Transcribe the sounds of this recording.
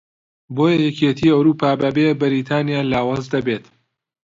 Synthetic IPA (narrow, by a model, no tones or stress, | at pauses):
boːjɐjɛket̪ʰiːɐwɾuːpʰaːbɐbebɪɾiːt̪ʰaːnijaːlaːwaːzd̪ɐbeːt̪